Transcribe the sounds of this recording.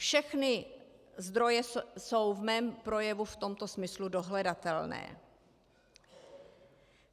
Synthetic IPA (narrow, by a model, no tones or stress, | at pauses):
fʃɛxnɪ | zd̪ɾo̞jɛso̞wvmɛːmpɾo̞jɛvuft̪o̞mt̪o̞smɪsludo̞ɦlɛdat̪ɛlnɛ̰ː